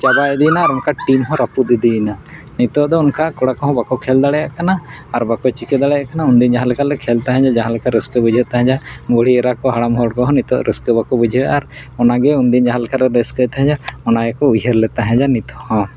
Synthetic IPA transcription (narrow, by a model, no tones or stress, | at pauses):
t͡ʃabajd̪inaːɾunkaʈimɦɔ̃ɾapud̪id̪ina | nit̪ɔd̪ɔunkakɔɽakɔɦɔ̃bakɔkʰɛld̪aɽɛjaʔkanaː | ɾbakɔt͡ʃikɛd̪aɽɛjaʔkanaund̪ind͡ʒãɦãlɛkalɛkʰɛlt̪ɛɦɛ̃d͡ʒad͡ʒaɦãlkaɾɛskəbud͡ʒʱɛt̪ɛɦɛ̃d͡ʒabɔɽ̤iɛɾakɔɦaɽamɔɦɔɽkɔɦɔ̃nit̪ɔʔɾɛskɔbakɔbud͡ʒʱiɛaɾ | ɔnaɡɛund̪ind͡ʒãɦalkaɾɛɾɛskət̪ɛɦɛ̃d͡ʒaɔnajɛkɔud͡ʒʱeɾlɛt̪aɦɛ̃d͡ʒanit̪ɔhɔ̃